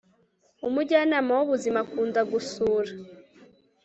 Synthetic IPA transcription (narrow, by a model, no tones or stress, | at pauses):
umuɟanamawuβuzimakuːnzaɡusuːɾa